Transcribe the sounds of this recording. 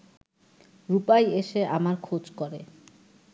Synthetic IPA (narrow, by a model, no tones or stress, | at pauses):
ɾupajeʃeʔamaɾkʰod͡ʑkoɾe